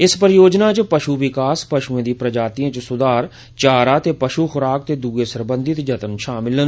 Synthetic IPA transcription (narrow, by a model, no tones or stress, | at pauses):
ɪspəɾjoːd͡ʒnaːt͡ʃəpəʃuːʋɪkaːspəʃuːẽːd̪iːpɾəd͡ʒaːt̪iːãːt͡ʃsʊd̪aːɾ | t͡ʃaːɾaːt̪eːpəʃuːxʊɾaːk̚t̪eːd̪uːeːsəɾbə̃nd̪ɪt̪d͡ʒət̪ənʃaːmɪlən